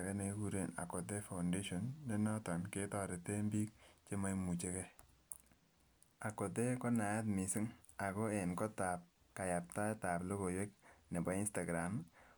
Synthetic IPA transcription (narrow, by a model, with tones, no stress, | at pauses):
a˨kɛ˦ne˨˦ku˦ɾe˦˨na̰˨kɔ˨t̬e˦fa˨ʊnde˦ʃo˨nɲɔ˦nɔ˦tɔ˨nke˦tɔ˦ɾe˨te˦mbi˦k̚t͡ʃe˦ma˦jmu˨t͡ʃe˦kɛ˦ | a˨kɔ˨t̬e˦kɔ˦na˨ja˦tmi˨si˦ŋa˨kɔ˦e˨nkɔ˦ta˨p̚ | ka˨ja˨p̚ta˦ta˨plo˦ko˨jwe˦k̚ne˨bɔ˨˦i˦nsta˨ɡɾa˨m